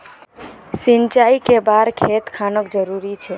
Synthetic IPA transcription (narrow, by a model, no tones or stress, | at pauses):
sint͡ʃaikebaɾkʰet̪kʰanəkd͡ʒəɾuɾit͡ʃʰɛ